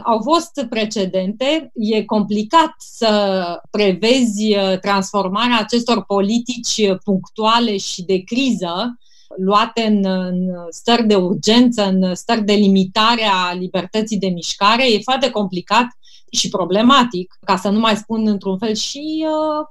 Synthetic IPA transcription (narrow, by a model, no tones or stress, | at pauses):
awfo̞st̪pɾe̞t͡ʃe̞d̪e̞nt̪e̞je̞ko̞mplikat̪səpɾe̞ve̞zʲt̪ɾansfo̞rmaɾeaːt͡ʃe̞st̪o̞rpo̞lit̪it͡ʃʲpuŋkt̪uale̞ʃid̪e̞kɾizə | luat̪e̞ɨnɨnst̪ərʲd̪e̞urd͡ʒe̞nt̪səɨnst̪ərʲd̪e̞limit̪aɾealibe̞rt̪ət̪sijd̪e̞miʃkaɾe̞je̞foart̪e̞ko̞mplikat̪ | ʃipɾo̞ble̞mat̪ikkasənumajspunɨnt̪ɾunfe̞lʃi